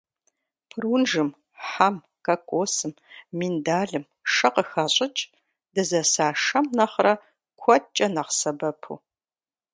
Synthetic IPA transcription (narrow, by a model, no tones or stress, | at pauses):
pʰrunʒɨm | ħam | kɐkʷʼoːsɨmː | indaːɮɨm | ʂɐqəxɐɕʼɪt͡ʃʼ | d̥ɨzɐsaːʂɐmnɐχrɐ | kʷʰɔt̚t͡ʃʼɐnɐqsɐbɐpʰṵː